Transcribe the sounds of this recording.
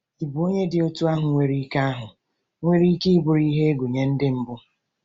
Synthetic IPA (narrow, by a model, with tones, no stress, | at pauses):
i˨bu˨o˦ɲe˦dɪ˨o˦tu˦a˦ɦʊ˨ŋʷe˨ɾi˦ka˦a˦ɦʊ˨ | ŋʷe˦ɾi˦ki˦i˦bʊ˨ɾi˦ɦe˦ɡu˨ɲe˦n̩˦dɪ˦m̩˦bʊ˦